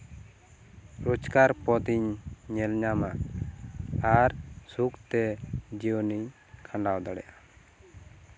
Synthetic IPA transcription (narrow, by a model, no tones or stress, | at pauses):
ɾod͡ʒkaɾpɔt̪iɲɲɛlɲama | aɾsukt̪ɛd͡ʒiɔniɲ | kʰaɳɖawd̪ɔɽɛ̰ja